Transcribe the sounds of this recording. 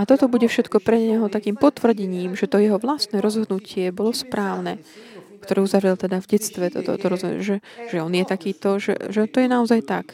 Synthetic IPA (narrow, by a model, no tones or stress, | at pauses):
at̪ɔt̪ɔbuɟɛfʃɛt̪kɔpɾɛɲɛɦɔt̪akiːmpɔt̪ʋr̩ɟɛɲiːmʒɛt̪ɔjɛɦɔʋlast̪nɛɾɔzɦɔd̪nucɪɛbɔlɔspɾaːʊnɛ | kt̪ɔɾɛːuzaʋɾɛlt̪ɛd̪avɟɛt͡st̪ʋɛt̪ɔ̰t̪ɔ̰t̪ɔɾɔzɦɔʒɛʒ̥ɛɔnjɛt̪akiːt̪ɔʒɛ̰ʒɛt̪ɔjɛnaɔzajt̪ak